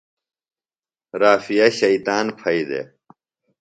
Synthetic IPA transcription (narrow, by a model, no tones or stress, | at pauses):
ɾaːfijɐɕɐit̪aːnpʰɐid̪ḛ